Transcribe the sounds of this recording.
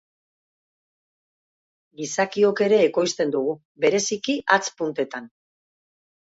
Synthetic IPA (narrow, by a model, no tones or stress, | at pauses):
ɡisakio̞ke̞ɾe̞ːko̞jst̪e̞nd̪uɣ̞u | be̞ɾe̞sikiʔat͡spunt̪e̞t̪an